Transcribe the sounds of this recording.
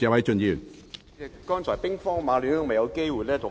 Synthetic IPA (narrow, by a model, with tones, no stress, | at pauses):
ɛː˧wɐ˨˥jt͡ʃɵ˧nji˨˧y˨˩n | ɛ˨˩kɔː˥nt͡sʰɔː˨˩pɪ˥ŋfɔː˥ŋmaː˨˧ly˨˥nɐ˥ŋmɐ˨jɐ˨˧wke˥jwu˨jlɛː˥t̪ʰʊ˨